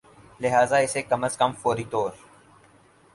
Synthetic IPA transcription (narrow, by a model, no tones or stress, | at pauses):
lɪɦaːzaɪsekɐməskəmfoːɾit̪oːɾ